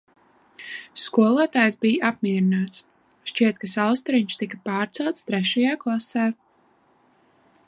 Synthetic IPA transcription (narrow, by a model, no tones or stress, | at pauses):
skuɔlˠaːt̪aːjsbijʔapmiɛɾinaːt̪s | ʃt͡ʃiɛt̪kasalˠst̪ɔɾiɲʃt̪ikapaːɾt̪sɛlˠt̪st̪ɾɛʃajaːklˠasæː